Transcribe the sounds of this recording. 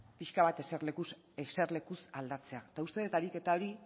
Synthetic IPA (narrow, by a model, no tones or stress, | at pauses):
piʃkaβat̪eseɾlekus | ese̞rle̞kusald̪at͡se̞at̪aust̪e̞ðet̪aɾike̞t̪ao̞ɾi